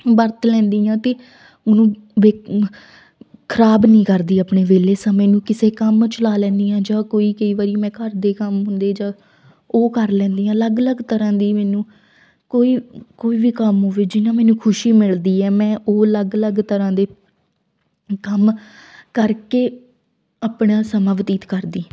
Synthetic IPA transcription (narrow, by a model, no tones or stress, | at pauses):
bəɾt̪lɛ̃ːnd̪iːãːt̪eː | ʊnũːʋeː | kʰəɾaːbnĩːkəɾd̪iːapɳeːʋeːleːsãːmɛ̃ːnũːkɪseːkəmt͡ʃəlaːlɛ̃ːnd̪iːãːd͡ʒãːkoːiːkəiːʋaːɾimɛ̃ːkəɾd̪eːkəmɦʊ̃nd̪eːd͡ʒãː | oːkəɾlɛ̃ːnd̪iːãːləɡələɡt̪əɾãːd̪iːmɛːnũː | koːiːkoːiːʋiːkəmɦoʋeːd͡ʒɪnãːmɛːnũːkʰʊʃiːmɪld̪iːɛːmɛ̃ːʔoːələɡələɡt̪əɾãːd̪eː | kəmkəɾkeː | aːpɳãːsəmãːʋət̪iːt̪kəɾd̪iː